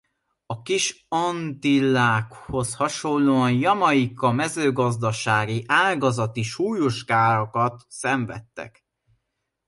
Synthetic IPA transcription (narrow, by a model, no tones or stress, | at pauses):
ɒkiʃ | ɒnt̪ilaːkho̞shɒʃo̞nlːoːɒnjɒmɒikːɒmɛzøːɡɒzd̪ɒʃaːɡiʔaːɡɒzɒt̪iʃuːjoʃkaːɾɒkɒt̪sɛɱvɛ̰t̪ːɛ̰k